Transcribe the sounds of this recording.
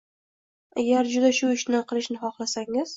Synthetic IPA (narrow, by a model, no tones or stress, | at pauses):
a̰ɡʲaɾd͡ʒʊd̪aʃʊɪʃnɪqʰɨlˠɪʃnɪχɒχlˠasaŋɪz̥